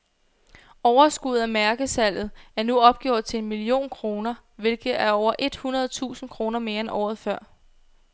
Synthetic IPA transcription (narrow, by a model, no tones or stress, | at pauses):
ɒʊɐsɡ̥uð̩ˠæmæɐɡ̥əsæl̰ð̞̩ˠæɐnuɒ̽b̥̚ɡ̥jɔ̰ɐ̰d̥̚t͡sʰe̝enmilio̝̰ːnkʰʁo̝ːnɐʋe̝lɡ̥ð̩ˠæɐɒʊɐʔe̝d̥hunɐð̞̩ˠt͡sʰṵːsn̩kʰʁo̝ːnɐme̝ːɐenʔɒ̰ːð̞̩ˠfɶɐ̰